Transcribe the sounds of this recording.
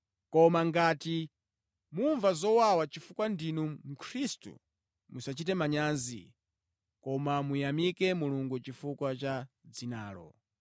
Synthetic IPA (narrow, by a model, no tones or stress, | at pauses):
kɔmaŋɡati | muɱvazɔwawat͡ʃifukwandinum̩kʰɾistṵ | musat͡ʃitɛmaɲanzḭ | kɔmamujamikɛmuluŋɡut͡ʃifukwat͡ʃa | d͡zinaːlɔ̰